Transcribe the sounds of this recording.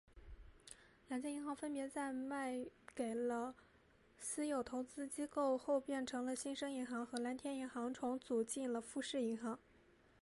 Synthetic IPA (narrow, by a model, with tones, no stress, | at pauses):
la˧˥nt͡ɕ̪ʰjɛ˥i˧˥xɑ˧˥ŋfə˥npjɛ˧˥t͡sa˥˧ɪma˥˩ɪke˨˩ɪlə˦ | sɹ̩˥jo˨˩ʊt̪ʰo˧˥ʊt͡sɹ̩˥t͡ɕi˥ko˥˧ʊxo˥˧ʊpjɛ˥˩nʈ͡ʂʰɤ˧˥ŋlə˧ɕi˥nʂɤ˥ŋi˧˥nxɑ˧˥ŋxɤ˧˥la˧˥nt̪ʰjɛ˥ni˧˥ŋxɑ˧˥ŋʈ͡ʂʰʊ˧˥ŋt͡su˨˩t͡ɕi˥˩nlə˩fu˥˧ʂɻ̩˥˩i˧˥ŋxɑ˧˥ŋ